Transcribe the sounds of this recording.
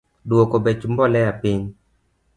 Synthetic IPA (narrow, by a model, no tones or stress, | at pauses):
dokobɛt͡ʃmbɔlɛjapiɲ